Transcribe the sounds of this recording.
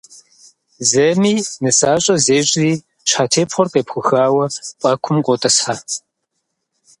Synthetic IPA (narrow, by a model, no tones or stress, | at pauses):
zɐmiːnɨsaːɕʼɐzeːɕʼɪiː | ɕħaːtʰeːpχʷɔrqʼeːpxʷʊxaːwɐpʷʼɐkʷʰʊmkʷʼɔtʼɐsħa